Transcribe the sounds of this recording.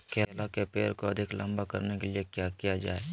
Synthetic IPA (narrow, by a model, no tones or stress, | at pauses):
kʰeːlakepeːɾkoɐd̪ʱɪklə̃mbakɐɾnekeliekjakijad͡ʒa̰ːe